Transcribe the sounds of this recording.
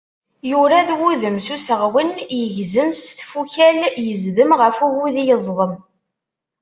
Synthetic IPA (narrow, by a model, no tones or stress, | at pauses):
juɾaðwuðəmsusəʁwənjəʝzəmsθfuçæljəzðəmʁəfuwuðijəzˤðˤəm